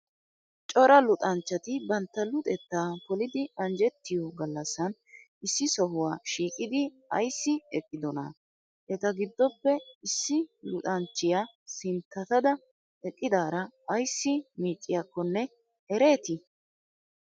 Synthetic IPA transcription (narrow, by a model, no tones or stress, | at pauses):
t͡ʃʼɔɾɐlʊt̪ʼɐnt͡ʃːɐt̪ɪbɐnt̪ːɐlʊt̪ʼɛt̪ːaːpɔlɪd̪ɪɐnd͡ʒɛt̪ːɪjɔɡɐlːɐsːɐn | ɪsːɪsɔɦʊwaːʃiːkʼɪd̪ɪ | ɐ̰jsːɪɛkʼːɪd̪ɔnɐ̰ | ʔɛt̪ɐɡɪd̪ːɔpːɛɪsːɪlʊt̪ʼɐnt͡ʃːɪjaː | sɪnt̪ːɐt̪ɐd̪ɐ | ɛkʼːɪd̪aːɾɐːjsːɪmiːt͡ʃʼːɪjakːɔnːɛ | hɛɾe̞ːt̪ɪ